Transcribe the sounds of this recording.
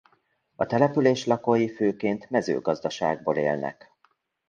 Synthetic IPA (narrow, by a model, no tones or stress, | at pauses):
ɒt̪ɛlɛpyleːʃlɒkojiføːkeːnt̪mɛzø̰ːɡɒzd̪ɒʃa̰ːɡ̚boːlḛːlnɛ̰k